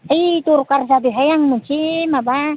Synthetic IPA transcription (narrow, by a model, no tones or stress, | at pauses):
it̪urkars̬ab̪iɦajaŋmuɲt͡ʃimaba